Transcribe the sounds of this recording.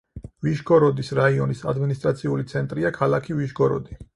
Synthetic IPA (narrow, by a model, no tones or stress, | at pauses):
viʃɡɔɾɔd̪isɾaiɔnisad̪minist̪ʼɾat̪sʰiulit̪sʰɛnt̪ʼɾiakʰalakʰiviʃɡɔɾɔ̰d̪i